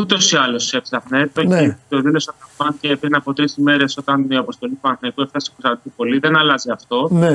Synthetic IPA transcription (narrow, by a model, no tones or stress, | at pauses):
ut̪o̞siɐlo̞sepsɐxnet̪et̪o̞ðilo̞sɐnɐfɐncepɾinɐpo̞t̪ɾisime̞ɾe̞so̞t̪ɐniɐpo̞st̪o̞lit̪uɐnθɐikueft̪ɐsposɐt̪it̪ipo̞liðenɐlɐziɐft̪o̞ne